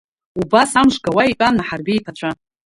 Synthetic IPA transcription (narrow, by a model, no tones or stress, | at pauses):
ubasamʂʷɡawaikʼamnaħarbijpʰat͡ʃʷʰa